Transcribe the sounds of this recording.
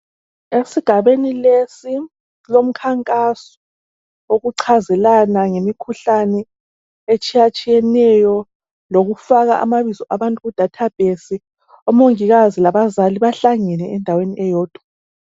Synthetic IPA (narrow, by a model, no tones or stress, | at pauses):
esiɡ̥ʱaβenilesi | lom̩kʰaŋkʼasɔ̥ | oɣuǀʰazɛlanaŋemikʰuɬanɛ | et͡ʃʼijat͡ʃʼijɛnɛjɔ | loɣufaɣa̰ʔa̰maβizɔʔaβantʼuɣud̥ʱatʰab̥ʱesi | ɔmoŋiɣazilaβazaliβaɬaŋɛnɛɛndʱaweniʔɛjɔːd̥ʱwa